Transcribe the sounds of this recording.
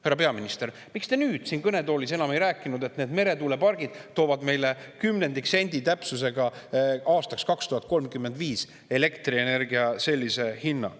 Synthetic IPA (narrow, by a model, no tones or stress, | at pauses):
hæɾrːɑpe̞ɑminist̪e̞ɾ | mikst̪e̞nyːd̪̥siːnkɤne̞d̪o̞ːlise̞nɑmejɾæːkːˑinud̪e̞t̪ned̪me̞ɾe̞t̪uːle̞pɑrɡ̥id̪̥t̪o̞ːvɑd̪̥me̞jle̞kymne̞nd̪ikse̞nʲd̪it̪æpsus̬e̞ɡɑɑːst̪ɑkskɑkst̪uhɑt̪̚ko̞lmkymːe̞nd̪viːs | e̞le̞kt̪riene̞rɡiɑse̞lʲːise̞hinːɑ̰